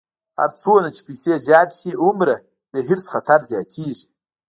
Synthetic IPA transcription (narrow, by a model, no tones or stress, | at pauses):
ha̰ɾt͡sʰonat͡ʃʰi̥pʰijsezjaːt̪siumɾa | d̪əɦiɾsχat̪ʰaɾzjaːtʲʰiːʐi